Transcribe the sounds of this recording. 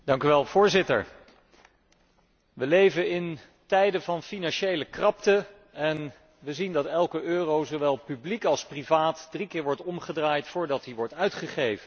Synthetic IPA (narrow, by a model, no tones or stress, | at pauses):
dɑŋkyʋɛlˠv̥ʊːɹzɪtə̰ɹ | ʋəlejvənɪn | tɛjdəvɑnfinɑnʃejləkrɑptə | ɛn | ʋəzindɑtɛlˠkəʔøːrowzowʋɛlˠpyblikɑlˠsprivaːtdrikɪːɹʋɔɹtɔmχədraːjtfʊːɹdɑt̚diʋɔɹtœɥtχəχejvən